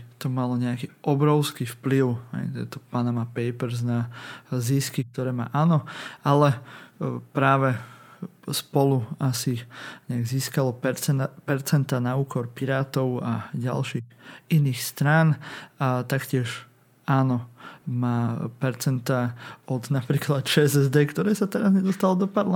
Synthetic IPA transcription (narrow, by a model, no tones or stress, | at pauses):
t̪ɔmalɔɲɛakiʔɔbɾɔʊskiːfpliʊɦɛ̰ɪt̪ɛ̰t̪ɔpaːnamapɛɪpɛɾznaziskik̚t̪ɔɾɛːma̰ːʔaːnɔalɛ | pɾaːʋɛ | spɔluasiɲɛaɡziːskalɔpɛɾt͡sɛnt̪aːnauːkɔɾpiɾaːt̪ɔʊaɟa̰lʃiːɣiniːxst̪ɾaːnat̪akcɪɛʃ | aːnɔmaːpɛɾt͡sɛnt̪aːɔd̪napɾiːklat̪t͡ʃɛzɛzd̪ɛːkt̪ɔɾɛːsat̪ɛɾazɲɛd̪ɔst̪alɔd̪ɔpaɾla